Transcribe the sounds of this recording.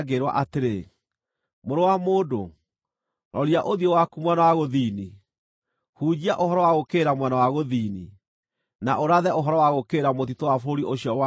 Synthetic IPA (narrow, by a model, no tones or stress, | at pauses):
ɡeɾwa̰ʔateɾe | moɾowamoːdo̰ | nʔɔɾiaʔoðiowakumwɛnawaɣoðini | huːd͡ʑiaʔoɦɔɾɔwaɣokeɾamwɛnawaɣoðiːnḭ | naʔoɾaðɛoɦɔɾɔwaɣokeːɾamot̪̬itowafoɾoɾiʔoɕjɔa